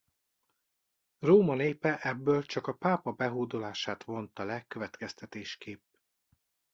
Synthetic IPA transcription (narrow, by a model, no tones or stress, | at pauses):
roːmɒneːpɛʔɛbːøːlt͡ʃɒkɒpaːpɒbɛɦoːd̪olaːʃaːt̪ʋo̞nt̪ɒlɛkøvɛt̪kɛst̪ɛt̪eːʃkeːp